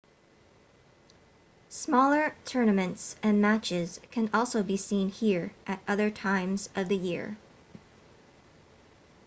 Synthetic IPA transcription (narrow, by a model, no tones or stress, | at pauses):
smɔlˠə˞tʰɜ˞nɨmɨ̃ntsɨ̃nmæt͡ʃɪz̥kʰɨ̃nɔlˠsoʊbisĩnhiɹʔɨɾʔʌðə˞tʰãɪ̃mzʌvðɨjɪ̰ɹ